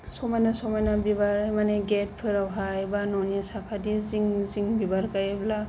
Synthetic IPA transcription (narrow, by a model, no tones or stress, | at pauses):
sɔmajnasɔmajnabibaɾmaneɡet̚pʰɯɾawɦajbanɔniasakʰadiziŋziŋbibaɾkajebla